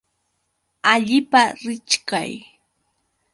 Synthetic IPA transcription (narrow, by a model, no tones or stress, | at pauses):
aʎɪpaɾɪt͡ʃka̰j